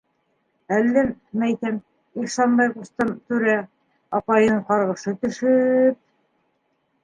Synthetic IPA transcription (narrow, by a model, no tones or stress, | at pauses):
ælːæmmːæjθæm | ikʃɑnbɑjqust̪ɤmt̪ʉɾæ | ɑpɑjɤɴqɑɾʁɤ̆ʃɤt̪ɵ̆ʃɵp̚